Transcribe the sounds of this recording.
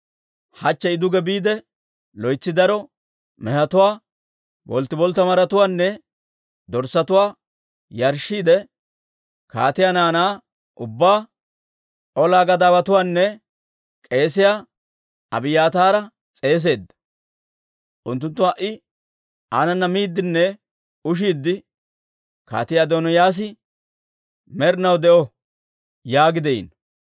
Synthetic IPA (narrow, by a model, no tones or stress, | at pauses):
hɐt͡ʃːɛɪd̪ʊɡɛbiːd̪ɛ | lɔjt͡sːɪd̪ɐɾɔ | mɛhɐt̪ʊwaː | bɔ̰lt̪ːɪbɔlt̪ːɐmɐɾɐt̪ʊwaːnːɛ | d̪ɔɾsɐt̪ʊwaː | jɐɾʃːiːd̪ɛ | ka̰ːt̪ɪjanaːnaː | ʔʊbːaː | ʔɔlaːɡɐd̪aːbɐt̪ʊwaːnːɛ | kʼe̞ːsɪjaː | ɐbɪjaːt̪aːɾɐ | t͡sʼe̞ːs̬e̞ːd̪ːɐ̥ | ʔʊnt̪ːʊnt̪ːʊɐʔɪ | aːnɐnːɐmiːd̪ːɪnːɛ | ʊʃ̬iːd̪ːɪ | ka̰ːt̪ɪjaːd̪onɔjaːs̬ɪ | mɛɾnɐwd̪ɛʔɔ | jaːɡɪd̪ɛḭn